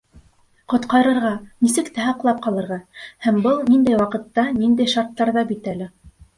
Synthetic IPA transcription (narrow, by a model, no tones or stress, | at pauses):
qŏt̪qɑɾɤ̆ɾʁɑnisɘ̆kt̪æhɑqlˠɑp̚qɑlˠɤ̆ɾʁɑhæmbɤlˠnind̪æjwɑqɤ̆t̪ːɑnind̪æjʃɑɾt̪ːɑɾðɑbit̪ælɘ